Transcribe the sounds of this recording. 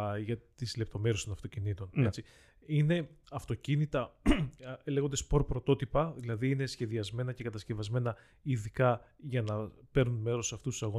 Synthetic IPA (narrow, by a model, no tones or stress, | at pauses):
ʝɐt̪izle̞p̚t̪o̞me̞ɾest̪o̞nɐft̪o̞cinit̪o̞net͡si | ine̞ɐft̪o̞cinit̪ɐ | leɣo̞nd̪ɐspo̞ɾpɾo̞t̪o̞t̪ipɐðilɐðiine̞sçe̞ðiɐzme̞nɐce̞kɐt̪ɐsce̞vɐzme̞nɐ | iðikɐ | ʝɐnɐpe̞ɾnunme̞ɾo̞sɐft̪ust̪u̥sɐɣo̞